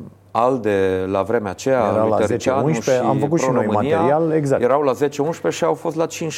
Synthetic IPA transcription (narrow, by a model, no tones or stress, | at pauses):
ald̪elavɾe̞meat͡ʃe̞jaaaəɾit͡ʃaunʃeamfəkut̪pʃɾoinojmɨnmaijaɾialeɡzakjeɾawlazet͡ʃeunʃpe̞ʃiawfo̞st̪lat͡ʃinʃ